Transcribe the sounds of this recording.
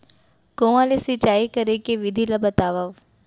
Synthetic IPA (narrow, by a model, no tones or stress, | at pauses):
koãlesit͡ʃaːikəɾekeʋɪd̪ʱilabət̪aːʋaʋ